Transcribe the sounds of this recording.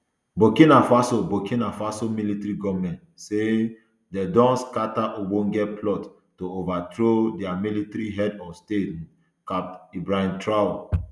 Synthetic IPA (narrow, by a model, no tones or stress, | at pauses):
bokĩnafasobokĩnafasomilitɾiɡɔvmɛ̃ntse | dɛdɔ̃nskataʔobõnɡɛtplɔt | tːoovatɾodɛamilitɾiɦɛdɔstet | kap̚tibɹãntʰɹaw